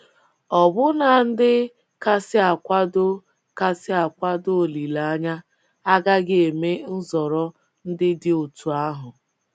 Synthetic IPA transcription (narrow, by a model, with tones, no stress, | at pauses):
ɔ˨bʊ˦na˨n̩˦dɪ˦ | ka˦sɪ˦a˨kʷa˦dʊ˦ | ka˦sɪ˦a˨kʷa˦do˦o˨li˨la˨a˦ɲa˦ | a˦ɡa˦ɡɪ˦e˨me˦n̩˦zɔ˨ɾɔ˦ | n̩˦dɪ˦dɪ˦o˨tu˨a˦ɦʊ˨